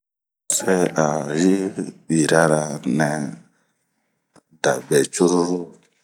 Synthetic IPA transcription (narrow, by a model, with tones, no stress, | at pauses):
sɛ˦a˨ɾi˦bi˨ɾa˦ɾa˨nɛ˨ | da˨bɛ˨t͡ʃu˦ɾu˦ɾu˦